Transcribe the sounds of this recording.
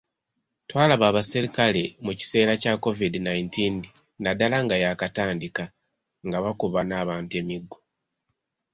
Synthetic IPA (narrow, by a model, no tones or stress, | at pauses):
twaːlaβaːβasiɾikale̞muci̥se̞ːɾacako̞vidinajintin | nadalaŋɡajakataːndika | ŋɡaβakuβanaːβaːntue̞miɡːo